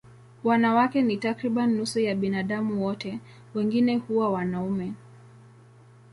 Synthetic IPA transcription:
wanawakɛnitakɾiɓaniːusɔjaɓinaɗamuwɔtɛ | wɛŋɡinɛhuwawanaumɛ

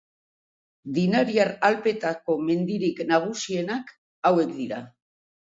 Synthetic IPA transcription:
d̪inaɾiaɾalpe̞t̪ako̞me̞nd̪iɾiknaɣ̞usie̞nak | awe̞kd̪iɾa

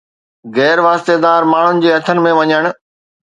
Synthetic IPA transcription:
ɣɛːɾʋaːst̪ed̪aːɾmaːɳ̤ʊnɪ̆d͡ʑeːɐt̪ʰənɪ̆mẽʋɐɲəɽ̃̆

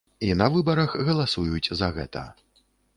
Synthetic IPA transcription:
inɐvɨbɐɾɐxɣɐlˠasujut͡sʲzɐɣɛ̰t̪ɐ̰

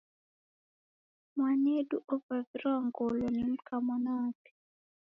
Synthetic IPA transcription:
mwaneduʔovavɾɔŋɡolɔnim̩kʰamɔnatɛ̥

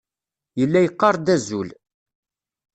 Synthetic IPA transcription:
jəlːæjəqːɑɾˤd̪æzul

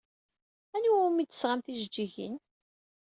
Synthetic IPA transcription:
ænuwmit̪ːə̥sʁamθiʒd͡ʒiʝə̰n

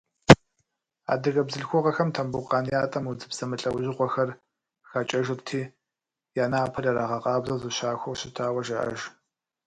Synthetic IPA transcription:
a̰ːdɨɣɐbzɨɬxʷɔʁɐxɐmtʰɐmbuqʼɑːnjaːtʼɐmud͡zɨbsɐmɨɬʼɐwʑɪʁʷɔxɐr | xaːt͡ʃʼɐʒɪrtʰiː | jaːnaːpʰɐrɐɾaːʁɐqʼɑːbzɐzɨɕaːxʷɔwɕɪtʰaːwɐʒɐʔɐ̰ʒ

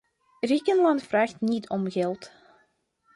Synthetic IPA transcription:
rikənlɑntfraːxtnitʰɔmɣɛlˠt

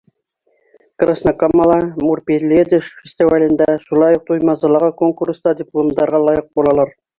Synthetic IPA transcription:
krasnakamːɑlˠɑmurpʲelʲed̪ɪʃfʲesʲt̪ʲivalʲɪnd̪æʃulˠɑjuq̚t̪ujmɑzɑlˠɑʁɑkoŋkurst̪ɑd̪ʲɪplˠomd̪ɑɾʁɑlˠɑjəq̚bolˠɑlˠɑɾ

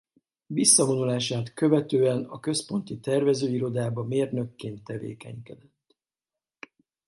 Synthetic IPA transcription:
visːɒvo̞nulaːʃaːt̪kø̞vɛt̪øːɛnɒkø̞spo̞nt̪it̪ɛrvɛzøːiɾo̞d̪aːbɒmeːrnø̞kːeːnt̪ːɛvḛːkɛ̰ɲkɛd̪ɛt̪ː

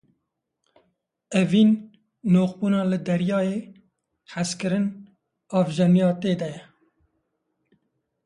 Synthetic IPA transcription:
ɛviːnː | oːxbuːnɑːlɨd̪ɛɾjɑːjeː | ħaskɨɾɨn | ɑːvʒɛnijɑːt̪eːd̪ɛjɛ

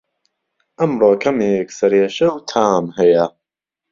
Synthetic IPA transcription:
ʔɐmroːkʰɐmeːksɐɾeːʃɐwt̪ʰaːmhɐjɐ

